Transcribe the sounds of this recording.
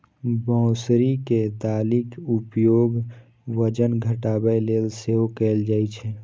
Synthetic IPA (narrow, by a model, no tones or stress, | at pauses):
bɔ̃ːsɾiked̪aːlɪkʊpjoːɡ | ʋəd͡ʒənɡʱəʈaːbəjleːlseokeːld͡ʒaːit͡ʃʰɛː